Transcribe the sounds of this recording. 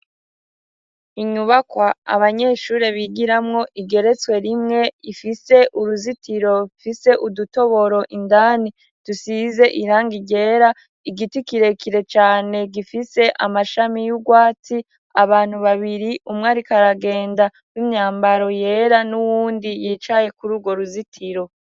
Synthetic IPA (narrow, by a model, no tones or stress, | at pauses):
iɲuβakwaa̰βaɲe̞ːʃuːɾe̞βiɡiɾamŋo̞ʔiɡe̞ɾe̞t͡swe̞ɾimŋe̞ifise̞ʔuɾuzitʰiɾo̞fise̞ʔuduto̞βo̞ɾo̞ʔindaːni | tusize̞ʔiɾaːŋɡiɟe̞ɾa | iɡitikiɾe̞kiɾe̞t͡ʃaːne̞ɡifise̞ʔamaʃamijuɡwaːt͡si | aβaːn̥huβaβiɾiʔumŋaɾikaɾaɡe̞ːnda | wimɲaːmbaɾo̞je̞ːɾanuwuːndijiːt͡ʃaje̞kuɾuːɡwo̞ɾuzitʰiɾo̞